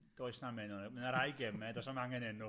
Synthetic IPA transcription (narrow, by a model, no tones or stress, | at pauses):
d̥oːɨsnamɪnɔnmənaɾajɡɛmɛdɔsamaŋɛnɛnʊ